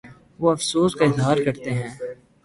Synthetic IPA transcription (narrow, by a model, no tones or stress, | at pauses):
ʋoɐfsoːskaɪzɦaːɾkɐɾt̪eɦɛ̃ː